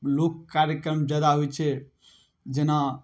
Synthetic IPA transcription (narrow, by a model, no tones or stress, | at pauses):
lokːaɾjəkɾəmd͡ʒad̪aɦojt͡ʃʰe | d͡ʒena